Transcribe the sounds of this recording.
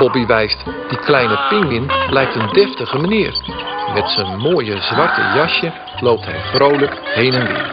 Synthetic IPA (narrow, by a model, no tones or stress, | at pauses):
b̥ɔbiʋɛjst | d̥iklɛjnəpɪŋɪnblɛjk̚təndɛftəɣəmaniərmɛtsənmoːjəzʋɑrtə̰jɑʃjə | lowp̚tɦɛ̰jfrowləkhejnənʋḭ